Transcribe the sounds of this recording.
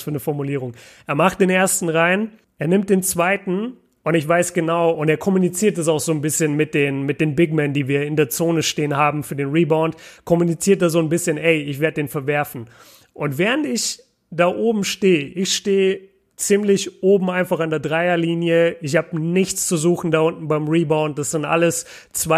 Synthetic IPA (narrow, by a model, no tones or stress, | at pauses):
fyːɐnəfɔɐmuliːʁ̞ʊŋʔeːɐmaχt̚d̥eːnʔeːɐstn̩ʁaɪn | ʔeːɐnɪmt̚d̥eːnt͡sv̥aɪtn̩ | ʊntɪçv̥aɪsɡ̥ənaʊʊnteːɐkʰɔmunit͡siːɐt̚d̥as̬aʊxz̥oːnbɪsçənmɪt̚d̥eːnmɪt̚d̥eːnbɪɡmɛndiːviːɐɪndeːɐt͡soːnəʃteːənhaːbm̩fyːɐdeːnʁiːbaʊntkʰɔmunit͡siːɐt̚daːzoːnbɪsçənʔɛɪɪçv̥eːɐdədeːnfɛɐvɛɐfn̩ | ʔʊntv̥ɛːʁ̞əntɪç | d̥aːʔoːbm̩ʃteːəʔɪçʃteːə | t͡siːmlɪçʔoːbm̩aɪnfaχandeːɐdʁaɪɐliːnjəɪçhaːbnɪçt͡st͡suzuːxn̩daːʊntn̩baɪmʁiːbaʊnt̚d̥asz̥ɪntʔa̰ləs | t͡sv̥a